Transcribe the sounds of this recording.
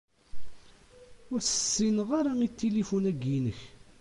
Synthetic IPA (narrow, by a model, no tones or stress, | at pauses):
ʊɾsə̥sːinəʁaɾait̪ːilifunæɡinəç